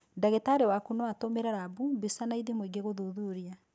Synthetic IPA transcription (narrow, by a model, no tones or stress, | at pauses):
daɣetaɾewakunoatomeɾaɾabubesanaiðemweɡeɣoðoðuɾia